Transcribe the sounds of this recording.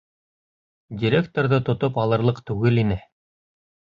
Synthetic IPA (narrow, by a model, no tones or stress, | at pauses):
dʲiɾʲekt̪oɾðɤt̪ŏt̪opɑlˠɤ̆ɾlˠɤqt̪ʉɡɘlinɘ